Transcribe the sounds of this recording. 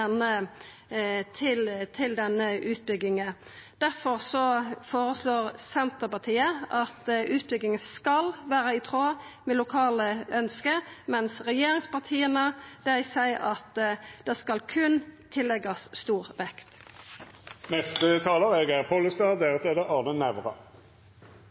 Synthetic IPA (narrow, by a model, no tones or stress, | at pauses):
ɛnə | t̪ʰɪlt̪ʰɪld̪ɛnːəʔʉːt̪̚bʏɡɪŋə | d̪̥æʁfɔʁsɔfoːʁəsloːʁsɛnt̪əpɑʁt̪ʰiːəɑt̪ʉːt̪̚bʏɡɪŋəskɑlʋæːɾəɪt̪ʰʁoːmɛlʊkʰɑːləʔœnskəmɛnsʁɛjeːʁɪŋspɑʁt̪ʰiːənəd̪̥æɪsæɪʔɑt̪d̪̥ɛskɑlkʰʉnt̪ʰɪlːɛɡɑsst̪uːʁʋɛkt̪ | nɛst̪ət̪ʰɑːləʁɛɡæʁpʰɔləst̪ɑːd̪eʁət̪ʰeːd̪əɑːʁnənæʋʁɑ̰